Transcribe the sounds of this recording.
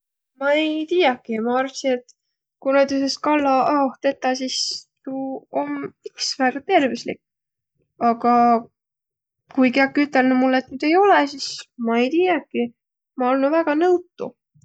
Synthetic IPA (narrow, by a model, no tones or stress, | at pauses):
mɑejt̪iːjɑkːimɑɑrsinet̪ | kuned̪yseskɑlːɑʔɑoht̪e̞t̪ːˑɑsist̪uomiksvæɡ̥ɑt̪e̞rvislḭkː | ɑɡ̥ɑ | kujkeɑkːyt̪ˑːelnumulːe̞t̪ːnyd̪̥e̞jo̞lɛsismɑe̞jt̪iːjɑkːi | mɑolnuvæɡ̥ɑnɤwt̪ːˑṵ